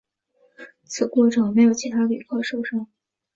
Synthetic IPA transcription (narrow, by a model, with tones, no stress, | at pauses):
t͡sʰɹ̩˨˩kwɔ˥˩ʈ͡ʂʰɤ˥˩ŋme˧˥ɪjo˨˩ʊt͡ɕʰi˧˥t̪ʰa˥d̪ə˨y̰˨˩kʰɑ˥˩ʂo˥˩ʊʂɑ˥ŋ